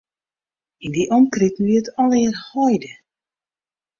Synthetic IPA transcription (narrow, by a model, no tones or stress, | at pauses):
indiʔɔmkritn̩ʋiətɔlɪərhɔjdə